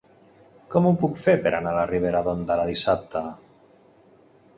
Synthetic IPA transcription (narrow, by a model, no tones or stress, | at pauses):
kɔmupukfeɾpeɾa̰nalariβ̞eɾaðond̪alaðisap̚t̪ʰa